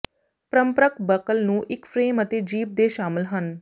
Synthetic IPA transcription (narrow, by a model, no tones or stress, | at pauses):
pɾəmpɾəkbəkəlnũːʔɪkfɾeːmət̪ed͡ʒiːp̚d̪eːʃaːmɪlɦən